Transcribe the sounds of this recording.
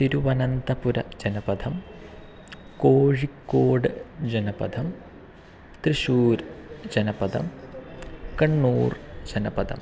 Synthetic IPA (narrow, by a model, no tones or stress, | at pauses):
t̪iɾuʋɐnɐnt̪ɐpuɾɐd͡ʒɐnɐpɐd̪ʱɐm | koːɻikːoːɖd͡ʒɐnɐpɐ̰d̪ʱɐm | t̪ɾiʃuːɾd͡ʒɐnɐpɐd̪ʱɐ̰m | kɐɳːuːɾd͡ʒɐnɐpɐd̪ʱɐ̰m